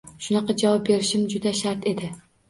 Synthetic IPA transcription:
ʃʊnɑqɑd͡ʒavɑp̚be̞ɾɪʃɪmd͡ʒʊd̪aʃaɾt̪e̞d̪ɪ

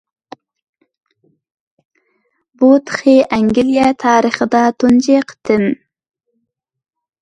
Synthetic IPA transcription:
but̪χeʔaŋɡiljat̪ʰɑːɾɪχd̪ɑt̪und͡ʒeqt̪ɪn

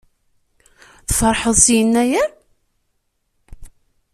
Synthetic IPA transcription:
θfəɾˤħəðˤsjənːæjæ

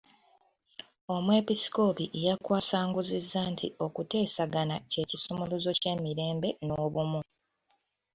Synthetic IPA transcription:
o̞mwe̞pisi̥ko̞piʔejakwaːsaːŋɡuzizːantʰiʔo̞kute̞ːsaɡanace̞ːcisumuluzo̞ce̞miɾe̞ːmbe̞no̞ːβumu

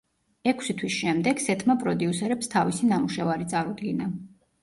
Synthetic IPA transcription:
ɛkʰsit̪ʰwisʃɛmd̪ɛɡ̥sɛt̪ʰmapʼɾɔd̪iusɛɾɛpst̪ʰavisinamuʃɛvaɾit̪sʼaɾud̪ɡina

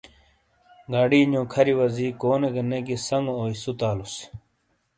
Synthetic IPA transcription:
ɡaɖiːɲõːkʰɐɾiwɐziːkoːneɡɐnːeɡisɐŋɡooːisut̪aːlus

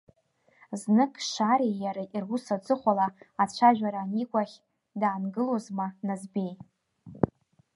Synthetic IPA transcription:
znɨkʼʃaɾejaɾaʔirwusad͡zʼɨχʷalaat͡ɕʷʰaʒᶣaɾanikʷʼaχʲ | daːnɡɨlozmanazbej

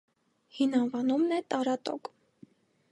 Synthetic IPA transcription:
hinɑnvɑnumnɛt̪ɑɾɑt̪ɔ̰k

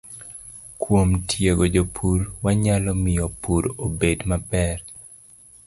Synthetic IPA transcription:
kwomtʰjeɡod͡ʒopʰuɾwaɲalɔmɪjɔpuɾobedmapɛr

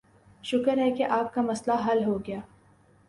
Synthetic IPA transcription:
ʃʊkəɾɦɛkeʔaːp̚kamɐslaɦɐlɦoɡɐjaː

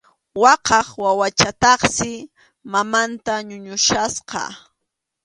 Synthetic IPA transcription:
wɑqɑχwawat͡ʃat̪ɑχsɪ | mamant̪aɲʊɲʊʃasqɑ̰

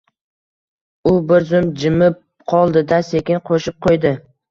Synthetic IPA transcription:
ʊbɪɾzʊmd͡ʒɪmɪp̚ | qʰɒlˠd̪ɪd̪asekʲɪnqʰoʃɪp̚qʰojd̪ɪ

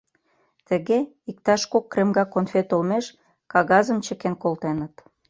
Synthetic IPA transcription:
t̪ə̆ɣe | ik̚t̪ɑʃkokːremɡɑkonfet̪olmeʃ | kɑɣɑzə̆mt͡ɕə̆kenkolt̪enə̆t̪

